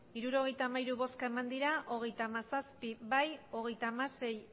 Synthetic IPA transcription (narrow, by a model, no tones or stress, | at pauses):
iɾuɾo̞ɣ̞e̞jt̪aːmaiɾuβo̞skae̞mand̪iɾaʔo̞ɣ̞e̞jt̪aːmasaspiβajo̞ɣ̞e̞jt̪aːmase̞j